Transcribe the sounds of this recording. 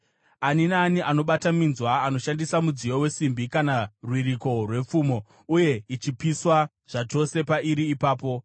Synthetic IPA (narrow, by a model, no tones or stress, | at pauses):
aninaːniʔano̞ɓataminzwaːno̞ʃandisamud͡zijowe̞simbikanarwiriko̞rwe̞p͡fumo̞ | uje̞it͡ʃipiswa | ʐ̥at͡ʃo̞se̞paiɾiːpaːpo̞